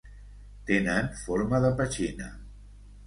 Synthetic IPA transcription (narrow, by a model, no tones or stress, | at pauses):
t̪enənfoɾmaðəpət͡ʃinə